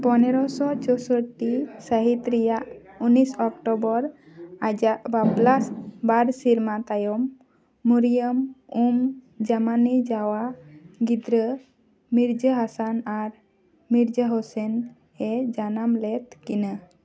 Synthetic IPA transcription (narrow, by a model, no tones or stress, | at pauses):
pɔnɛɾɔsɔt͡ʃɔsɔʈisəɦit̪ɾɛjaʔunisɔkʈɔbɔɾ | ad͡ʒaʔbablasbaɾsiɾmat̪ajɔmː | uɾijəmum | d͡ʒamanid͡ʒawaɡid̪ɾə | miɾd͡ʒəɦasanaɾ | miɾd͡ʒəɦɔsɛn | hɛd͡ʒanamlɛt̪kina